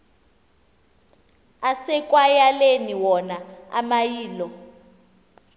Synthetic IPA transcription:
asɛkʼwajaleniwɔnaa̰majiːlɔ

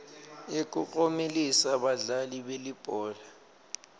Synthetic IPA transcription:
ek̬ʼukʼomelisaɓaɮaliɓelib̥ʱɔːla

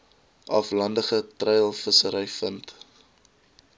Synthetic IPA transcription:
ʔɐflɐndəχətrɛjəlˠfəsəɾəjfənt

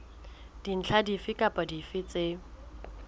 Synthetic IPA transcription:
d̥in̩t͡ɬʰadifɪkʼapʼadifɪt͡se

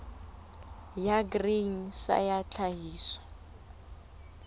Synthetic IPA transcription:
jaɡriŋ̩sa̰jat͡ɬʰaɦiːswḁ

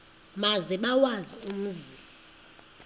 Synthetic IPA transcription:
mazɛɓawazium̩zimɔ

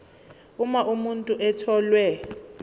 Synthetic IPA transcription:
umaʔumuntʼuʔɛtʰɔlwɛ

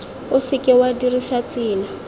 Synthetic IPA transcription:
ʊsɪkʼɪwadirisat͡sʼiːna

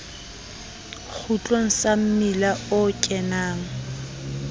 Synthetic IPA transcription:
k͡xʰut͡ɬʼoŋ̩sam̩milaʊkʼɛnaːŋ̩

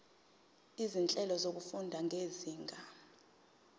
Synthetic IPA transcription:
izint͡ɬʼɛlɔzok̬ufundʱaŋʱeziːŋɡʱa

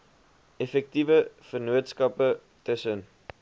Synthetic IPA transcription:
ɛfɛk̚tivəfərnuətskɐpə | təsən

